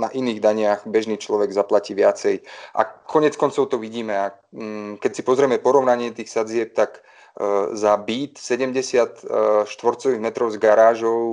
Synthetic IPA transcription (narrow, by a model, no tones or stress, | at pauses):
naʔiniːɣd̪aɲɪaɣbɛʒniːt͡ʃlɔʋɛɡzaplaciːʋɪat͡sɛjʔa̰kʰɔɲɪɛt͡skɔnt͡sɔʊt̪ɔʋiɟiːmɛa | kɛcsi̥pɔzɾɪɛmɛpɔɾɔʋnaɲɪɛt̪iːxsad͡zɪɛp̚t̪ak | zabiːt̪sɛɟɛmɟɛsɪat̪ʃt̪ʋɔɾt͡sɔʋiɣmɛt̪ɾɔʊzɡaɾaːʒɔʊ